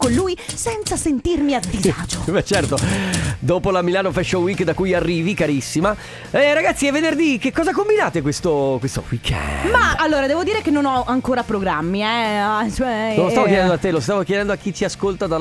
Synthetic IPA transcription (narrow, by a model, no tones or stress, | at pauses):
konluːjsɛnt̪sasent̪irmiad̪izaːd͡ʒoɛt͡ʃɛrt̪od̪oːpolamilaːnofɛʃːowikːd̪akujarːiːvikaɾisːima | ɛɾaɡat̪sːiɛvːenerd̪ik̟ekːɔːzakombinaːt̪ekwest̪okwest̪o̰wikʰɛ̰maːlːoːɾad̪ɛːvod̪iːɾekenːonɔaŋkoːɾapɾoɡɾamːiɛat͡ʃoɛnolost̪avok̪jɛd̪ɛnd̪oat̪ːelost̪aːvokjɛd̪ɛnd̪oakːit͡ʃiaskolt̪ad̪a